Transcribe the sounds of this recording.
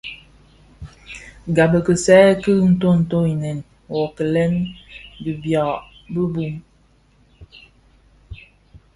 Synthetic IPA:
ɡa˨bə˨kə˨sɛː˦kə˦˨n̩˦to˦n̩˨to˦i˨nɛ˨n | wɔ˨kə˨lɛ˦ndi˨bja˨ | bə˦bu˦m

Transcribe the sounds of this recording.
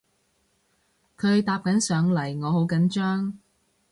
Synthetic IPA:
kʰɵ˨˧ɥt̪aː˧p̚kɐ˨˥nsœː˨˧ŋlɐ˨˩jŋɔː˨˧ho˨˥wkɐ˨˥nt͡ʃœː˥ŋ

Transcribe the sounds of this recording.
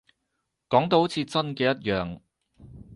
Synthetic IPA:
kɔː˨˥ŋt̪o˧who˨˥t͡sʰiː˨˧t͡sɐ˥nkɛː˧jɐ˥t̚jœː˨˧ŋ

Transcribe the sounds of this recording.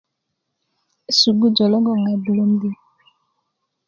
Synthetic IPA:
su˨ɡu˦d͡ʒɔ˨lɔ˦ŋɡɔ˨ŋa˨bu˨lo˦m˦de˦

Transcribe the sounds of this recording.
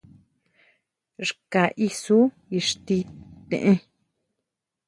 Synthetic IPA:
ʐka˨ʔi˧su˦ | i˧ʂt̪i˧t̪ḛ̃˨ʔẽ˧

